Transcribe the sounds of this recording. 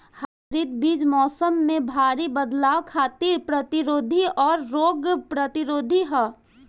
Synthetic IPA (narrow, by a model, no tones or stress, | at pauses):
haːɾit̪̚biːd͡ʒmɔːsəmːẽbʱaːɾibəd̪laːwkʰaːt̪ɪɾpɾɐt̪ɪɾoːd̪ʱiɔːɾːoːɡpɾɐt̪ɪɾoːd̪ʱiɦɛː